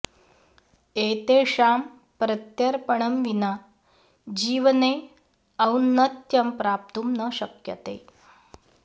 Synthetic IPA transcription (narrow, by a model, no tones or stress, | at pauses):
et̪eʂam | pɾət̪jəɾpəɳ̃əmʋina | d͡ʑiːʋne | əunːət̪jɐmpɾap̚t̪uːmnəɕəkjə̰t̪ḛ